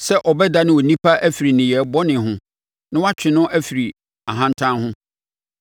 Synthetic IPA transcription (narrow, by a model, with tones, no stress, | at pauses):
sɛ˦ʔɔ˨bɛ˦da˦nɪ̃˦wɔ˨nĩ˦pʰa˦ʔæ˦fi˨ɾi˨nɪ̃˨jɛ˨bɔ˦nɪ̃˨ɦʊ̃˦ | nã˦wa˦t͡ɕᶣɪ̃˨nʊ̃˦ʔæ˦fi˨ɾi˨ | a˨ɦã˦ntʰã˦hʊ̃˦